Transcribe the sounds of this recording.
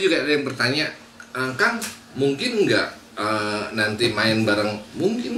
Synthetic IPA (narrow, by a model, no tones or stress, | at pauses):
d͡ʒuɡaajaŋpərt̪aɲa | əkaŋ | muŋkɪnŋɡa̰ʔ | ənant̪imaɪnbaɾaŋmuŋkɪn